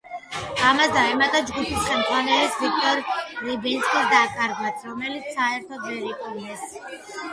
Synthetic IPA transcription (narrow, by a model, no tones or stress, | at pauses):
amasd̪aɛmat̪ʼad͡ʒɡupʰisχɛmt̪ʰʼwanɛlisvik̚ʰt̪ʼɔɾlibinskʼisd̪akʼaɾɡmasʰɾɔmɛlit̪saɛɾt̪ʰɔd̪vɛɾikʼunɛs